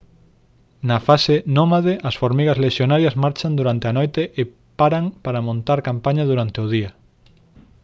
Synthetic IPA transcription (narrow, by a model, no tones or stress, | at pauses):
nɐfasenomaðeʔɐsfoɾmiɣɐzleʃjonaɾjɐzmaɾt͡ʃand̪uɾant̪eɐnojt̪eʔː | paɾaŋpaɾɐmõnt̪aɾkampaɲɐðuɾant̪eʊð̞iɐ